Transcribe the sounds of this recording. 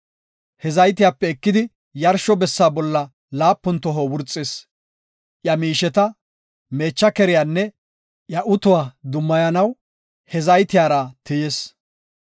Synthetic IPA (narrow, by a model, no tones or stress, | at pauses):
hɛzɐjt̪ɪjaːpːɛːkːɪd̪ɪ | jɐɾʃɔbɛsːaːbɔlːɐ | laːpːʊnt̪ːɔɦowʊɾt͡sʼːeːs | ʔjɐmiːʃɛt̪ɐ | me̞ːt͡ʃːɐkɛɾɪjaːnːɛ | ʔjɐʔʊt̪ʊwaːd̪ʊmːɐjɐnɐw | hɛzɐjt̪ɪjaːɾɐt̪ɪjes